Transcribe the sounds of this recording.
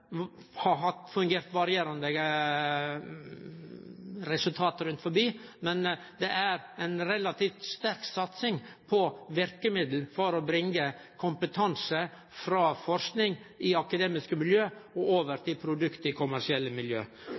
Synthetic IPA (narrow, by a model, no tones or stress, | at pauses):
hɑɦɑt̪fʉŋɡeːɾt̪ʋɑɾɪeːɾɑnd̪ə | ɾɛsʉlt̪ʰɑːt̪əɾʉnt̪fɔɾbiːmɛn | d̪ɛʔæɾɛnɾɛlɑt̪ʰiːft̪st̪æɾksɑt̪sɪŋpʰɔʋɪɾkəmɪd̪l̩fɔɾɔbɾɪŋːəkʰʊmpət̪ʰɑnsə | fɾɑːfɔɾsknɪŋʔɪɑkɑd̪eːmɪskəmɪljøːɔoːʋəɾt̪ʰɪlpʰɾʊd̪ʉkt̪ɪkʰʊmæʂɪɛlːəmɪljø̰ː